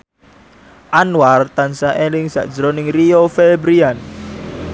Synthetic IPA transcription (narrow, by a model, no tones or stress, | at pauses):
ʔanwart̪ansaʔelɪŋsa̰ʔd̥d͡ʒəɾonɪŋriofebɾian